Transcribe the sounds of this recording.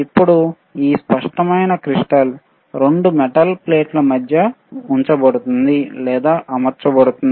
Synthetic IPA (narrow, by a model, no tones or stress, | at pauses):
ipːuɽu | iːspɐʂʈɐmɐjnɐkɾiʂʈɐl | ɾeɳɖumɛʈɐlpleːʈlɐmɐd̪ʱjɐ | uɲt͡ʃɐbɐɽut̪und̪ilɛːd̪aːʔɐmɐɾt͡ʃɐbɐɽut̪und̪i